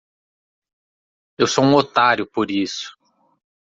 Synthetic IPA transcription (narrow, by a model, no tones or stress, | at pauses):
ewsoũot̪aɾjʊpoɾisʊ̥